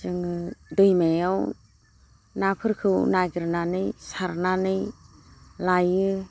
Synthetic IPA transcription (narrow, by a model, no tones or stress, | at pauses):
t͡ʃɯŋɯdɯjmajaw | napʰɯɾkʰɯwnajɡɯɾnanɯjsaɾnanɯj | lajɯ